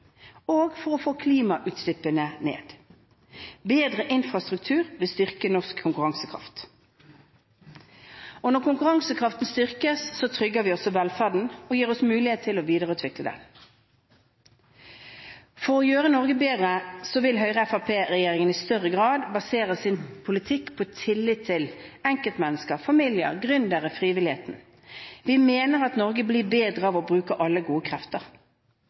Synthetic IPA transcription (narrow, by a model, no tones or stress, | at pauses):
oːɡfɔʁɔfoːkʰliːmɑʔʉːt̪slɪpːənənḛːd̪ | beːd̪ʁəʔɪnfʁɑst̪ʁʉk̚t̪ʰʉːʁʋɪlst̪ʏʁkənɔʁskʰːʊŋkʉʁɑŋsəkʰʁɑ̰ft̪ | ɔnɔʁkʊŋkʉʁɑŋsəkʰʁɑft̪n̩st̪ʏʁkəssɔt̪ʰʁʏɡːəʋiːɔsɔʋɛlfæʁdɳ̩n̩ɔjiːʁɔsmʉːlɪeːt̪ʰːɪlɔʋiːd̪əʁəʉːt̪ʰʋɪkləd̪ɛ̰n | fɔʁɔjøːʁənɔʁɡəbeːd̪ʁəsɔʋɪlɦœʏʁəɛfɑpʰeːɾɛjeːʁɪŋənɪst̪œʁːəɡʁɑːd̪bɑseːʁəsɪnpʰʊlɪt̪ʰɪkːpʰɔɛt̪ʰɪlːɪt̪ʰːɪlɛŋkəlt̪mɛnːəskəʁfɑmɪljə̰ʁɡʁʏnd̪əʁəfʁiːʋɪlɪheːt̪n̩ | ʋɪmeːnəʁɑt̪nɔʁɡəbliːbeːd̪ʁəɑːʋɔbʁʉːkəʔɑlːəɡuːəkʰʁɛft̪əʁ